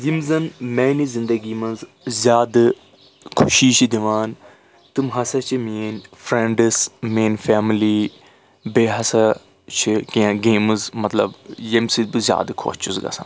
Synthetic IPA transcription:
zimzɐnmɛːnizind̪ɐɡimɐnz | zʲjaːd̪ɨ | kʰuʃiːt͡ʃʰid̪iʋaːn | t̪ɨmɦɐsɐt͡ʃʰiminʲfɾeɳɖɨsmeːnfaːmiliː | beːɦɐsɐ | t͡ʃʰikiãɡeːmɨzmɐt̪lɐ̰bjemsid̪̚bɨzʲja̰ːd̪kʰo̰ːt͡ʃʰuzɡɐ̰sa̰ːn

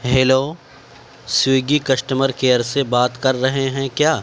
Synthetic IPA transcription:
ɦeːloː | siːɡikɐsʈəməɾkeːəɾsebaːt̪kɐɾːɐɦeɦɛ̃kjaː

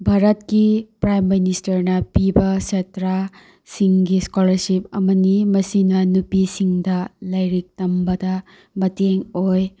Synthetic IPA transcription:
bʱaɾɐtkipɾajmːinistɐɾnɐpibɐsetɾa | siŋɡiskolɐɾsipɐ̰mɐnimɐsinɐnupisiŋdɐlɐjɾik̚tɐmbɐdɐ | mɐteŋoj

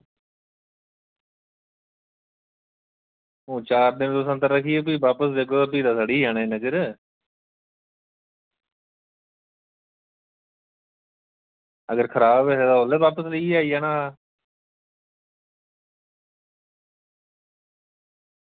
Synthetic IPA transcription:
ɦũːt͡ʃaːɾd̪ɪnd̪osə̃nt̪əɾːəkʰieːp̬iːbaːpəsd̪eːkʰoːpiːd̪aːsaːɽiːaːneːnəd͡ʒəɾ | əɡəɾkʰəɾaːbeeːd̪aːoleːʋaːpəsləiaːiːaːnaː

